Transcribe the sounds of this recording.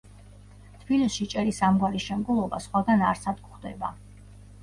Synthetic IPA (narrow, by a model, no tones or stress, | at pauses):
t̪ʰb̥ilisʃit͡ʃʼɛɾisamɡwaɾiʃɛmɡulˠɔbasχwaɡanaɾsad̪̚kχd̪ɛ̰ba̰